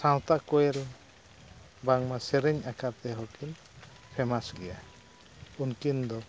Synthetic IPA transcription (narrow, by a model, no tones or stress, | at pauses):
sãw̃t̪aʔkɔɛl | baŋmasɛɾɛɲakʰaɾt̪ɛɦɔkin | pʰɛmasɡɛja | unkind̪ɔ